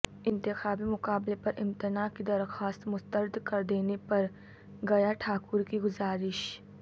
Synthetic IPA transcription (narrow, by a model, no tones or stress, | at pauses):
ɪ̃nt̪ɪxaːbimʊkaːblepɐɾʔɪ̃mt̪ɪnaːkid̪ɐɾxaːst̪mʊst̪əɾd̪kɐɾd̪eːnepɐɾ | ɡɐjaʈʰaːkʊɾkiɡʊzaːɾɪʃ